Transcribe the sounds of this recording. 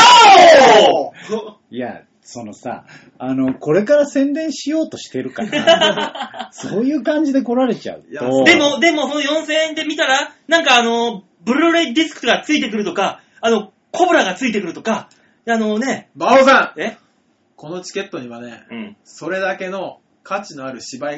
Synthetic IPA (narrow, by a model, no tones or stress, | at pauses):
a | ija̰ | so̞no̞sa̰ | ano̞ko̞ɾe̞kaɾasẽ̞nd̪ẽɰ̃ɕijo̞ːt̪o̞ɕi̥t̪e̞ɾɯ̟kana̰ | so̞ːjɯ̟ːkãɲ̟d͡ʑid̪e̞ko̞ɾaɾe̞t͡ɕa̰ɯ̟̰t̪od̪e̞mo̞d̪e̞mo̞so̞no̞jõ̞ɰ̃sẽ̞nd̪e̞mʲit̪aɾanãŋkaːno̞ | bɯ̟ɾɯɾoɾed̪ʲisɨ̥kɯ̟̥oɡat͡sɨit̪e̞k̬ɯɾɯ̟t̪o̞kaː | no̞ | kʰo̞bɯ̟ɾaɡat͡sɨit̪̬e̞kɯ̟ɾɯ̟t̪o̞ka | ano̞ne̞baozãe | ko̞no̞t͡ɕi̥kʲe̞t̪ːo̞ɲ̟iβane̞̰ɯ̃so̞ɾe̞d̪ake̞no̞ | kat͡ɕino̞aɾɯ̟ɕibai